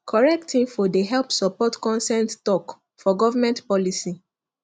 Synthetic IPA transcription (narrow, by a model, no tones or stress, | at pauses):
kʰɔɹɛk̚tĩnfɔdeɦɛlpsɔpɔtkɔ̃nsɛ̃nttɔk | fɔɡɔvamɛ̃ntpɔlisi